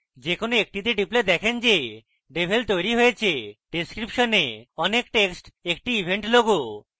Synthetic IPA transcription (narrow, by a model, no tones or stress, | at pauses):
d͡ʑekonoek̚ʈit̪̬eɖipled̪ɛkʰend͡ʑe | ɖebʱelt̪ojɾiɦojet͡ɕʰeɖeskɾipʃoneɔnekʈeksʈek̚ʈiibʱeɳʈloɡo